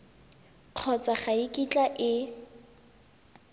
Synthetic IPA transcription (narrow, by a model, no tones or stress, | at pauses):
q͡χʰɔt͡saχaikʼit͡ɬʼaʔɪ